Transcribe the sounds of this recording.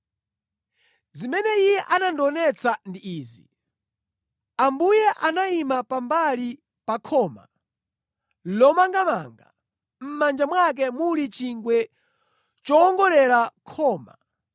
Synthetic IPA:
zimɛnɛijɛʔanandɔnɛt͡sandiiːzḭ | ambujɛʔanaimapambali | pakʰɔːma̰ | lɔmaŋɡamaːŋɡa̰ | m̩mand͡ʒamwak̬ɛmulit͡ʃiŋɡwɛ | t͡ʃɔːŋɡɔlɛɾakʰɔːma̰

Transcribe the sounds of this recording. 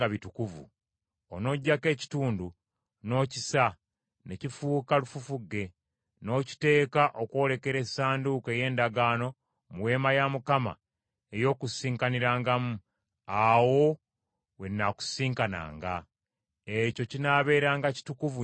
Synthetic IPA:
aβitukuvṵ | ono̞ɟːake̞ːci̥tuːndu | no̞ːcisa | necifuːkalufufuɡe̞ | no̞ːci̥te̞ːkaʔokwo̞ːle̞ke̞ɾe̞saːnduke̞je̞ːndaɡaːno̞ | muwe̞ːmajamukama̰ | e̞jo̞ːkusiːŋkaniɾaːŋɡamu | awo̞ | we̞nːaku̥siːŋkana̰ːŋɡa | eco̞cinaβe̞ːɾaːŋɡaci̥tukuvu

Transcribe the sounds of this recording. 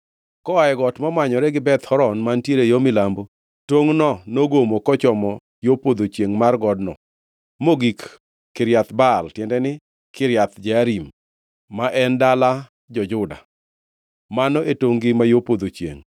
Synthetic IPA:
kɔaɛɡɔtmamwaɲɔɾɛɡɪbɛt̪hɔɾɔnmantjeɾejomɪlambo | toŋnɔnoɡomokɔt͡ʃɔmɔ | jopod̪ot͡ʃjeŋmarɡɔdnɔ | moɡik | kːɪɾjat̪baltjɛndɛnɪ | kɪɾjat̪d͡ʒaaɾimː | aʔɛndala | d͡ʒɔd͡ʒʊda̰ | manɔʔetoŋɡɪmajopod̪ot͡ʃjḛŋ

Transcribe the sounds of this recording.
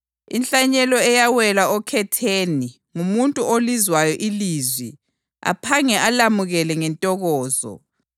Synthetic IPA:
ḭnɬʼaɲɛlɔɛjawɛlaɔkʰɛtʰeːni | ŋumuntʼuʔolizwajɔʔilizwi | a̰pʰaŋɛʔalamuɣɛlɛŋɛntʼɔɣɔːzɔ̰

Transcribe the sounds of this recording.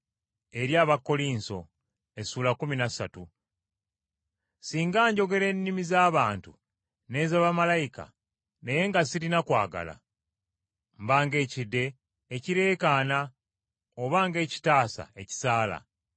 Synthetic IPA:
e̞ɾjaːβakːo̞liːnso̞̰ | e̞suːlakuminasatu | siːŋɡaːɲɟo̞ɡe̞ɾe̞ːnːimizaːβaːntu | ne̞ːzaβamalajika̰ | ne̞je̞ŋɡasilinakwa̰ːɡa̰la̰ | mbaːŋɡe̞ːcidːe̞ː | ciɾe̞ːkaːna | oβaːŋɡe̞ːci̥taːsa̰e̞ci̥saːla̰

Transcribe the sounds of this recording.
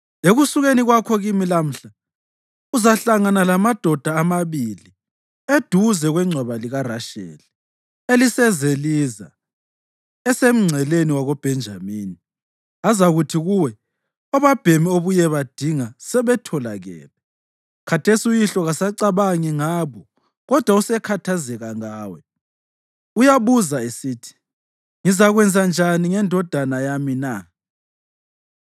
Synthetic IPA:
eɣusuɣeniɣwakʰɔɣimilam̩ɬa | uzaɬaŋanalamad̥ʱɔd̥ʱaːmaβili | ed̥ʱuzɛɣwɛŋ͡ǀʱwaβaliɣaraʃḛli | elisɛzeliza̰ | ɛsem̩ŋ͡ǀʱɛleniwaɣɔb̥ʱɛnd͡ʒʱamiːni | azaɣutʰiɣuwɛ | ɔβab̥ʱemioβujɛβad̥ʱiŋasɛβɛtʰɔlaɣɛ̰ːlɛ | kʰatʰesiujiɬɔɣasaǀaβaŋiŋaːβɔ | ɣɔd̥ʱwausɛkʰatʰazɛɣaŋaːwɛ | ujaβuzaesiːtʰi̥ | ŋizaɣwɛnd͡zʱand͡ʒʱaniŋɛndʱɔd̥ʱanajamina

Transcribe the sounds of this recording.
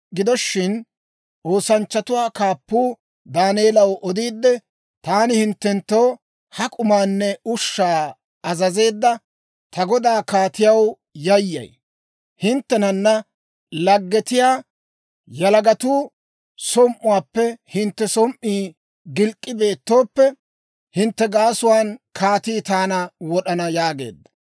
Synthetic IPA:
ɡɪd̪ɔʃːɪn | ʔo̞ːsɐnt͡ʃːɐt̪ʊwaːkaːpːuː | d̪aːneːlɐwʔɔd̪iːd̪ːɛ | t̪aːnɪhɪnt̪ːɛnt̪ːo̞ː | hɐkʼʊmaːnːɛʊʃːaː | ɐzɐze̞ːd̪ːɐ | t̪ɐɡɔd̪aːkaːt̪ɪjɐw | jɐjːɐ̰j | hɪnt̪ːɛnɐnːɐ | lɐɡːɛt̪ɪjaː | jɐlɐɡɐt̪uː | sɔmʔʊwaːpːɛhɪnt̪ːɛsɔmʔiː | ɡɪlkʼːɪbe̞ːt̪ːo̞ːpːɛ | hɪnt̪ːɛɡaːsʊwaːnkʰaːt̪iːt̪aːnɐwɔɗɐnɐjaːɡe̞̰ːd̪ːɐ̥

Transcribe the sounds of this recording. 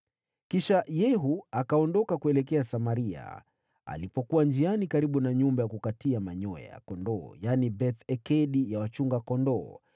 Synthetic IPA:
kiʃajɛɦuakaɔndɔkakuɛlɛkɛasamaɾia̰ | a̰lipɔkuwand͡ʒianikaɾiɓunaɲumbajakukatiamaɲɔɛ̰ja̰kɔndɔːjanibɛθɛkɛɗijawat͡ʃuŋɡakɔndɔː

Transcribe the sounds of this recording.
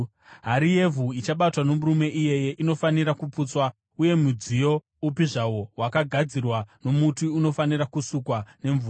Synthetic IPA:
ɦaɾije̞vʱuit͡ʃaɓatwano̞murume̞ʔije̞je̞ʔino̞faniɾakupuːt͡swa | uje̞mud͡zijo̞ | upiʐawo̞wakaɡʱad͡zirwano̞mutuːno̞faniɾakusukwane̞ɱvura

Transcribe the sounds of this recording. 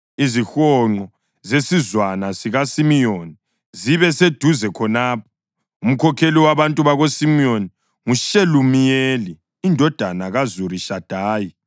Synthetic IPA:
izixɔŋ͡ǃɔ | zesizwanasiɣasimijoni | ziβɛsed̥ʱuzɛkʰɔnaːp̚ʰɔ̥ | um̩kʰɔkʰeliwaβantʼuβaɣosimioni | ŋuʃelumijeliː | ndʱɔd̥ʱanaɣazuɾiʃad̥ʱaːji

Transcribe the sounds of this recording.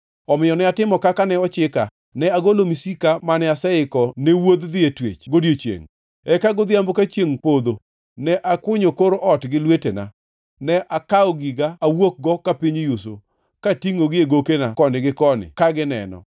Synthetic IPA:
ɔmɪjɔnɛatɪmɔkakanɛɔt͡ʃɪka | nɛaɡolomisikamanɛasɛɪkɔnewod̪d̪ɪetwḛt͡ʃɡodjot͡ʃjḛŋ | ɛkaɡɔd̪jambokat͡ʃjeŋpod̪o | nɛʔakwʊɲokoɾoʔɔtɡɪlwetena̰ | nɛʔakaɔɡiɡaːwok̚ɡɔkapiɲjuso̰ | katiŋoɡɪeɡokenakɔndɪɡɪkɔnɪ̰kaɡɪnɛ̰nɔ̰

